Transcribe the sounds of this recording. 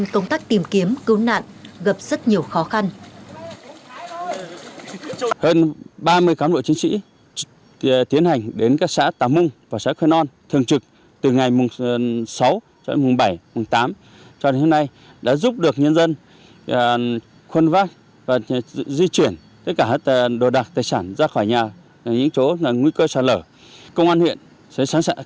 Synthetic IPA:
ŋkə˧wŋ͡mt̪aː˦˥k̚t̪i˨˩mki˨˦əmkɨ˨˦wna̰ː˧˨nɣə˨˩p̚z̥ə˦˥t̚ɲi˨˩əwxɔ˨˦xa˧n | həː˧nɓaː˧mɨ˧əjkaː˨˦mɗo̰˧˨t͡ɕi˨˦ŋsḭ˧˥ | t̪i˨˦ənha˨˩jŋ̟ɗe˨˦nkaː˦˥k̚sa̰ː˧˥t̪aː˨˩mʊ˧ŋ͡mvaː˨˩sa̰˧˥kwɛ˧nɔ˧nt̪ʰɨ˨˩əŋt͡ɕɨ˨˩k̚ | t̪ɨ˨˩ŋa˨˩jmʊ˨˩ŋ͡msa˨˦w | t͡ɕɔ˧mʊ˨˩ŋ͡mɓə˧˩jmʊ˨˩ŋ͡mt̪aː˨˦m | t͡ɕɔ˧ɗe˨˦ho˧mna˧j | ɗa̰ː˧˥zu˦˥p̚ɗɨ˨˩ək̚ɲə˧nzə˧n | xwə˧nvaː˦˥k̚ | vaː˨˩˧zi˧t͡ɕwi˧˩ən | t̪ə˦˥t̚kaː˧˩˦t̪̚ːɗo˨˩ɗa˨˩k̚t̪aː˨˩jsaː˧˩nzaː˧xɔ˧˩jɲaː˨˩˨ | ɲɨ̰˧˥ŋt͡ɕo˨˦˨ŋwi˧kəː˧saː˧˩ləː˧˩ | kə˧wŋ͡mʔaː˧nhwḭ˧˨ən | sə˨˦saː˨˦nː˧

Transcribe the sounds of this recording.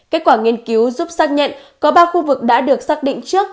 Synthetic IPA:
ke˦˥t̚kwaː˧˩ŋi˧ənki˨˦wzu˦˥p̚saː˦˥k̚ɲə̰˧˨nkɔ˨˦ɓaː˧xu˧vɨ˨˩k̚ɗa̰ː˧˥ɗɨ˨˩ək̚saː˦˥k̚ɗḭ˧˨ŋ̟t͡ɕɨ˦˥ək̚

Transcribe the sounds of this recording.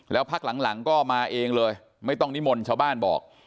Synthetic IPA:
lɛː˦˥wpʰa˦˥k̚la˩˦ŋla˩˦ŋkɔː˥˩maː˧ʔeː˧ŋlɤː˧j | ma˥˩jt̪ɔ˥˩ŋni˦˥mo˧nt͡ɕʰaː˥˩wbaː˥˩nbɔ̰ː˨˩k̚

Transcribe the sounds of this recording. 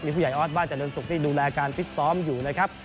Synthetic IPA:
miː˧pʰu˥˩ja˨˩jʔɔː˦˥t̪̚baː˥˩t͡ɕa˨˩lɤ˧nsu˨k̚t̪iː˥˩duː˧lɛː˧kaː˧nfʰi˦˥t̪̚sɔː˦˥mjuː˨˩na˦˥˩kʰa˦˥p̚

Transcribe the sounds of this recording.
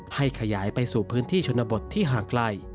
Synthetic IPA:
ha˥˩jkʰa˧jaː˩˦jpa˧jsuː˨˩pʰɯː˦˥nt̪ʰiː˥˩t͡ɕʰo˧nːa˧bo˨˩t̪ʰːiː˥˩ɦaː˨˩˦kla˧˩j

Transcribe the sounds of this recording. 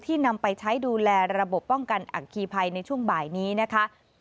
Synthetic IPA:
t̪ʰiː˥˩na˧mpa˧jt͡ɕʰa˦˥jduː˧lɛː˧ɾa˧bo˨˩pːɔ˥˩ŋka˧nʔa̰˨˩kʰiː˧pʰa˧jna˧jt͡ɕʰu˥˩əŋbaː˨˩jniː˦˥na˦˥kʰa˦˥ʔ

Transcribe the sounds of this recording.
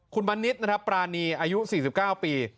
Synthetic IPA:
kʰu˧nba˧nːi˦˥t̪̚na˦˥kʰɾa˦˥pːɾaː˧niː˧ʔaː˧ju˦˥siː˨˩si˨˩p̚kaː˥˩wpiː˧

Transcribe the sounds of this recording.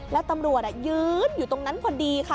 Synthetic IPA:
lɛː˨˦˥wt̪a˧mɾu˨˩ət̚ʔa˧˩jɯː˨˦njuː˨˩t̪o˧ŋna˨˦˥nkʰa˧ndi˧xʰaː˦˥˩

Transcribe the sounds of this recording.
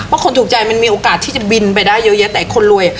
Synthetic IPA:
ɔ˥kʰo˧nt̪uː˨˩k̚t͡ɕa˧jma˧nmiː˧ʔoː˨˧kaː˨˩t̪ʰːiː˥˩t͡ɕa˨˩bi˧np̬a˧jdaː˥˩jːɤː˦˥jɤ˦˥t̪ɛː˨˩kʰo˧nlu˧əja˨˩

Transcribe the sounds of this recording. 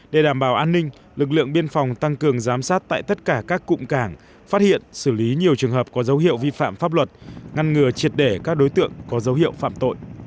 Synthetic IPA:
ɗe˧˩ɗaː˧˩mɓaː˧˩wʔaː˧nːï˧ŋ̟ | lɨ˨˩k̚lɨ̰˧˨əŋɓi˧ənfa˨˩wŋ͡mt̪a˧ŋkɨ˨˩əŋzaː˨˦msaː˦˥t̚t̪a̰ː˧˨jt̪ə˦˥t̚kaː˧˩kaː˦˥kːʊ̰˧˨ŋ͡mkaː˧˩ŋ | fa˦˥t̚hḭ˧˨ənsɨ˧˩li˨˦ɲi˨˩əwt͡ɕɨ˨˩əŋɦəː˨˩p̚kɔ˨˦zə˨˦wɦḭ˧˨əwvi˧fa̰ː˧˨mfaː˦˥p̚lwə˨˩t̚ŋa˧nŋɨ˨˩ət͡ɕi˨˩ət̚ɗe˧˩kaː˦˥k̚ɗo˨˦jt̪ɨ̰˧˨əŋkɔ˨˦zə˨˦whḭ˧˨əwfa̰ː˧˨mt̪o̰˧˨jʔ

